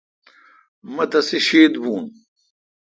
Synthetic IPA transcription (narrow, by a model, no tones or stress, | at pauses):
mɐt̪ɐsiɕeːd̪buːn